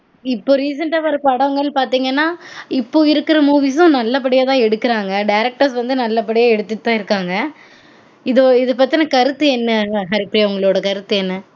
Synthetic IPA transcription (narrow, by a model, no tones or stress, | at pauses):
ɪpːoːɾiːsɐɳʈaːʋɐɾɐpɐɽɐʋŋɡɐɭpaːɾt̪iːŋɡɐnːaːɪpːoːɪɾɯkːɪɾɐmuːʋiːsʊ̃nɐlːɐpɐɽɪjaːt̪ãːɛɽɯkːɪɾaːŋɡɐɖɐjɪɾɛk̚ʈɐɾsʋɐnd̪ɯnɐlːɐpɐɽɪjaːɛɽɯt̪ːɯʈt̪ːãːɪɾɯkːaːŋɡɐ | ɪðɯɪðɯpɐɾt̪ːɪnɐkɐɾɯt̪ːɯɛnːɐɦɐɾɪpːɪɾɪjʊŋɡɐɭoːɽɐkɐɾɯt̪ːɯɛnːɐ